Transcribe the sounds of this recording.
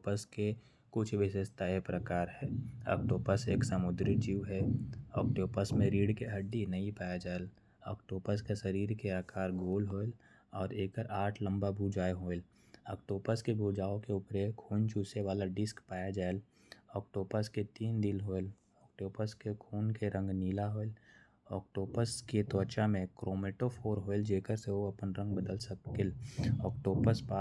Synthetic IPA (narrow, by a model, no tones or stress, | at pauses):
pəske | kʊt͡ʃʰʋɪsəst̪ʰaepɾəkaːɾhɛːɐ̰k̚ʈoːpəseːksəmʊd̪ɾid͡ʒiːuɦɛɔːk̚ʈoːpəsmẽɾiːɽkeɦəɖːinəipaːjad͡ʒaːel | ɔ̰ːkʈoːpəskesəɾiːɾkeaːkʰaːɾɡoːlɦoːl | ɔːɾeːkəɾaːʈʰlə̃mbabʱuːd͡ʒaːeɦoːel | ɔːkʈoːpəskebʱuːd͡ʒaːõkeʊpɾekʰuːnt͡ʃʰuːseʋaːlaɖɪskpaːjad͡ʒaːel | ɔːk̚ʈoːpəsket̪iːnd̪ɪlɦoːel | ɔːkʈoːpəskekʰuːnkeɾə̃ŋɡniːlaɦoːel | ɔːk̚ʈoːpəsket̪ɔːt͡ʃamẽkɾʔoːmeːʈofʰoːɾɦoːld͡ʒeːkəɾseoɐpənɾə̃ŋɡ̚bəd̪əlsəɪlɔːk̚ʈoːpəspaː